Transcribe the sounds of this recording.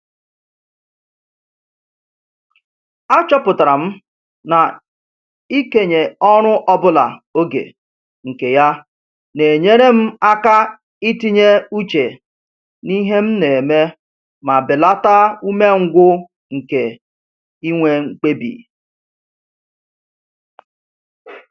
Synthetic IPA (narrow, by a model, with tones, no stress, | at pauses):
a˦t͡ʃɔ˦pʊ˨ta˨ɾa˨m̩˦ | na˨ | i˦ke˨ɲe˨ɔ˦ɾ̃ʊ˦ʔɔ˦bʊ˦la̰˨o˦ɡḛ˨ | ŋ̩˨ke˨ja˦ | ne˨e˨ɲe˦ɾe˦m̩˦a˦ka˦ | i˦ti˦ɲe˦u˦t͡ʃe˨ | ni˦ɦe˦m̩˦ne˨me˦ | ma˨bɪ˨la˦ta˦u˦me˦ŋ̩˦ɡʷʊ˦ | ŋ̩˨ke˨ | i˦ŋʷe˦ŋ͡m̩˦k͡pe˦bḭ˨